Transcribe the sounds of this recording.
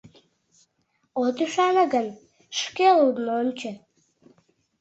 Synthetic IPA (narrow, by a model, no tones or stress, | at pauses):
ot̪yʃɑnə̆ɡən | ʃkelud̪nonʲt͡ɕə̆